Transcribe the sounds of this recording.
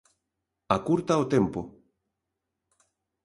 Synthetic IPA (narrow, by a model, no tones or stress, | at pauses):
akuɾt̪aot̪empo